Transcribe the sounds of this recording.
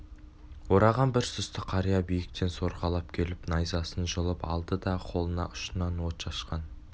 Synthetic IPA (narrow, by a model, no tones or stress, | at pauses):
woɾɑʁɑnbɪɾsʏst̪ɪqʰɑɾijɑbijɪk̚t̪e̞nso̞ɾʁɑlˠɑpkʲʰe̞lɪpnɑjzɑsənʒəlˠəpɑ̰lˠd̪əd̪ɑqʰo̞lˠənɑ̰ʔʊ̥ʃənɑnwot̪ʒ̥ɑʃqɑn